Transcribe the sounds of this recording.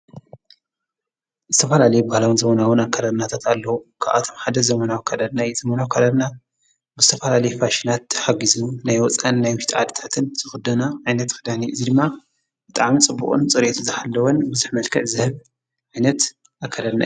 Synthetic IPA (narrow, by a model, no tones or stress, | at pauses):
zɨt̪ʰɐfɐlalɐjubahlawnzɐmɐnawɨnakʰːɐɾɐɾnat̪ʰat̪alːɐwukʰaβʔa̰t̪ʰomħad̪ɐzɐmɐnawkʰɐd̪ɐd̪najzɐmɐnawkʰad̪ɐɾna | bɨzɨt̪ʰɐfɐlalɐjufaʃinat̪ħaɡizunajwɔt͡sʼanːajwʊʃt̪iʕa̰d̪ɨt̪ʰat̪ʰɨnz̥ɨxɨd̪ɐnaʕajnɐt̪kʰɨd̪aniʔɨzid̪ɨmːa | b̥ɨt̪ʼaʕmit͡sʼɨbːukʼɨ̰nt͡sʼɨɾʔet̪ʰuzɨhalːɐwonbɨzuħmɐlkʰɐʕzɨhɨβ | ʕajnɐt̪ | ʔakʰːɐɾɐdna̰j